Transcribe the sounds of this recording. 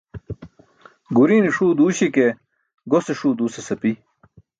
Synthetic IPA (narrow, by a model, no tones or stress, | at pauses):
ɡuɾiːniʂuːd̪uːɕike | ɡoseʂuːd̪uːsesɐpi